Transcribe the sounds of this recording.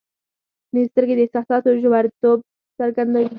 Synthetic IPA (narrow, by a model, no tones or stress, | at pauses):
nɪst̪əɾked̪əhsɑsɑt̪oʒawɑɾit̪ob̚ | saɾɡand̪a